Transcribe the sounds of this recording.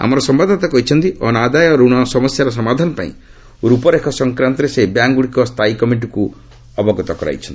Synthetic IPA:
a̰mɔɾɔsɔmbad̪ʱat̪akɔɦit͡ʃʰɔnt̪iʔɔnad̪ajɔɾuɽ̃ɔsɔmɔsjaɾɔs̬ɔmad̪ʱanɔpa̰ḭ̃ | ɾupɔɾekʰɔsɔŋkɾant̪ɔɾesebjaŋɡuɽikɔst̪ʰajikɔmiɳʈ̬iku | ɔbɔɡɔt̪ɔkɔɾa̰jt͡ʃʰɔnt̪ii

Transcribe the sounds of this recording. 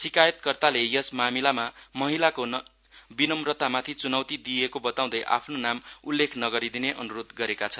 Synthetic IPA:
sikajʌt̪̚kʌrt̪alejʌsmamilamamʌɦilakon | binʌmrʌt̪amat̪ʰit͡sunʌwt̪id̪iekobʌt̪aw̃d̪ʌjʔa̰pʰnonamulːekʰnʌɡʌɾid̪ineʔʌnuɾod̪ɡʌɾekat͡sʰʌnn

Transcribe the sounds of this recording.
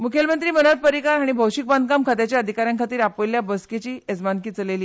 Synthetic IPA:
mukʰelmənt̪ɾiːmənəɾ̚pəɾikaɾɦaɽ̃ibʱəwɕik̚band̪̚kamkʰat̪jat͡ɕjaəd̪ʱikaɾjãŋkʰat̪iːɾapojljabəsket͡ɕiːed͡zmankiːt͡səleliː

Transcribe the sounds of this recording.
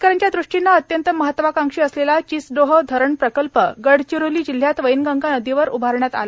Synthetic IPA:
kaɾəɳt͡ɕ̪jad̪ɾuʂʈinːaət̪jənt̪əməɦət̪ːʋakaŋʂiːəslelat͡ɕit͡sɖoɦəd̪ʱəɾəɳpɾəkəlpəɡəɽt͡ɕiɾuliːd͡ʑil̤ːjat̪ʋəinɡəŋɡanəd̪iʋəɾubʱaɾɳjat̪a̰la

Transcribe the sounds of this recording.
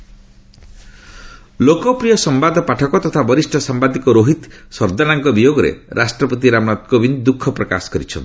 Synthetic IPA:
lokɔpɾijɔsɔmbad̪ɔpaʈʰɔkɔt̪ɔt̪ʰabɔɾisʈʰɔsambad̪ikɔɾoɦit̪sɔɾd̪anaŋkɔbijoɡɔɾḛɾʔasʈɾɔpɔt̪iɾamnat̪̚kobind̪ukʰːɔpɾɔka̰sɔ̥kɔɾit͡ʃʰɔ̰nt̪i̥

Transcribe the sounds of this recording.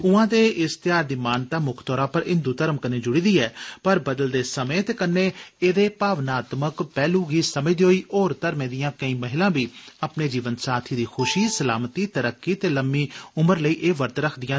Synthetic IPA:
ʊãːd̪eːʔɪst̪ɪjaːɾd̪iːmaːnt̪aːmʊkʰt̪ɔːɾãːpəɾɪ̃nd̪uːt̪əɾəmkəneːd͡ʒʊɽiːd̪iːɛːpəɾbəd̪əld̪eːsəmeːt̪eːkənːeːeːd̪eːpaːʋnaːt̪məkpɛːluːɡiːsəməiːd̪oːiːʔoːɾt̪əɾmẽːd̪ɪjãːkəĩːməɦɪlãːbiːaːpneːd͡ʒiːʋənsaːt̪ʰiːd̪iːxʰʊʃiːsəlaːmət̪iːt̪əɾəkːiːt̪eːləmːiːʊməɾləiːʔeːʋəɾt̪ɾəkʰd̪ɪjãː

